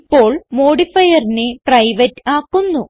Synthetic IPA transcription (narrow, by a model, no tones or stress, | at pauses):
pːo̞ːɭmo̞ːɽifɐjɐrineprɐjʋɐtːaːkːunːu